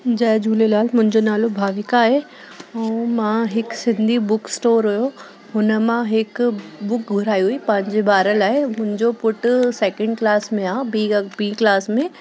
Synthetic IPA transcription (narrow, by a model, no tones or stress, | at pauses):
d͡ʑɐːd͡ʑuːlelaːlmʊ̃ɦɪ̃ɲd͡ʑonaːlobʱaːʋɪkaːɦe | ɛ̃ːmãɦɪksɪ̃nd̪ʱibʊksʈoːɾɦʊjo | ɦʊnə̆mãɦɪkbʊk̚ɡʱʊɾaːiɦuipɐ̃ɦɪ̃ɲd͡ʑebaːɾəlaːɦɪmʊ̃ɦɪ̃ɲd͡ʑopʊʈʊsɛːkə̃ɳɖ̚klaːsmẽãːbibĩːklaːsmẽ